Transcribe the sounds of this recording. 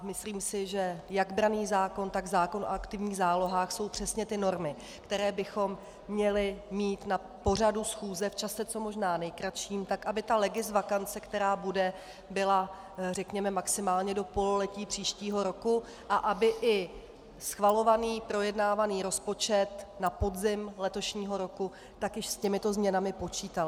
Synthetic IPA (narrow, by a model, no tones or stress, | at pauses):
mɪsliːmsɪʒɛjaɡbɾaniːzaːko̞nt̪aɡzaːko̞no̰akt̪ɪvɲiːɣzaːlo̞ɦaːxso̞wpr̝̥ɛsɲɛt̪ɪno̞ɾmɪ | kt̪ɛɾɛːbɪxo̞mː | ɲɛlɪmiːt̪na | po̞r̝adusxuːzɛft͡ʃasɛt͡so̞mo̞ʒnaːnɛjkɾat̪ʃiːmt̪akʔabɪt̪alɛɡɪzvakant͡sɛkt̪ɛɾaːbudɛ | bɪla | rɛkɲɛmɛmaksɪmaːlɲɛdo̞po̞lolɛciːpr̥iːʃciːɦo̞ɾo̞ku | ʔaʔabɪʔɪ | sxvalo̞vaniːpɾo̞jɛdnaːvaniːɾo̞spo̞t͡ʃɛt̪napo̞dzɪmlɛt̪o̞ʃɲiːɦo̞ɾo̞ku | t̪akjɪʃscɛmɪt̪o̞zmɲɛnamɪpo̞t͡ʃiːt̪alɪ